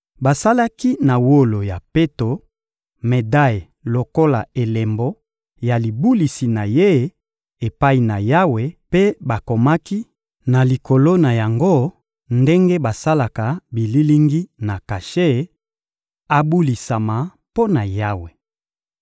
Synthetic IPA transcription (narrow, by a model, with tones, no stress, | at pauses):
ba˨sa˦la˦ki˦na˨wo˦lo˨ja˨pe˦to˨ | me˨da˦˨ | lo˨ko˦la̰˨e˨le˨mbɔ˦ | ja˨li˨bu˦li˨si˨na˨je˦ | e˨pa˦i˨na˨ja˦we˨pe˦ba˨ko˨ma˦ki˦ | na˨li˨ko˨lo˦na˨ja˨ŋɡo˦˨ | nde˦ŋɡe˦ba˨sa˦la˨ka˨bi˨li˦li˦ŋɡi˦na˨ka˨ʃe˦ | a˨bu˦li˨sa˨ma˨ | po˦na˨ja˦we˨